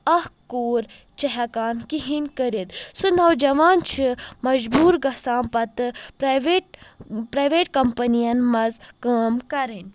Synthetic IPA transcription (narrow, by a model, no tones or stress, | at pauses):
ɐhkoːɾ | t͡ʃɐɦɐkaːnkiɦinʲkɐɾit̪sunɐwd͡ʒɐʋaːnt͡ʃʰimɐd͡ʒbuːɾɡɐsaːnpɐt̪ɨpɾɐʋeʈ̚pɾɐjʋeːʈkɐmpɐnijɐnmɐzkaːmkɐɾinʲ